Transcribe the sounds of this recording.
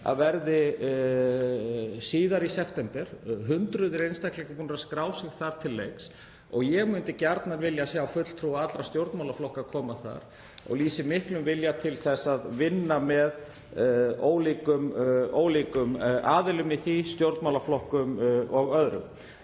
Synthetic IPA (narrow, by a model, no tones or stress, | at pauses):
a̰ðvɛɾðɪ | siːðaɾisɛft̪ɛmpɛɾ̥ɦʏnt̪ɾʏðɪɾejnst̪aklɛkapuːnɾaskɾaːwsɪɣθaɾ̥t̪ʰɪlːejks | ɔ̰ɣjɛɣmʏnt̪ɪcaɾt̪naɾvɪljasɛawfʏt̪l̥t̪ʰɾuːaat̪ɾast̪jowɾt̪mawlaflɔhkakʰɔːmaθa̰ɾ̥ | ɔ̰ɣliːsɪmɪhklʏmvɪljat̪ʰɪlθɛsːaðvɪnːamɛð | oːwliːkʏmoːwliːkʏmʔaːðɪlʏmiθist̪jowɾt̪mawlaflɔhkʏmɔɣœðɾʏ̰m